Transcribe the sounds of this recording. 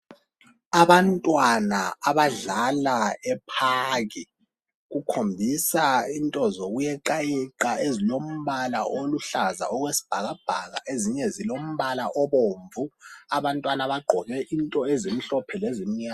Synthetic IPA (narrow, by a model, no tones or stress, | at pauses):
aβantʼwanaaβaɮalaɛpʰaɣi | ɣukʰombʱisaintʼɔzoɣujɛǃajiǃaezilom̩βalaʔoluɬaza̰ɔɣwesi̥b̥ʱaɣab̥ʱaɣa̰ʔeziɲɛzilom̩βalaʔɔβoːɱvuaβantʼwanaβaɡ͡ǃʱɔɣɛʔintʼɔezim̩ɬɔpʰɛlezimiɲaːa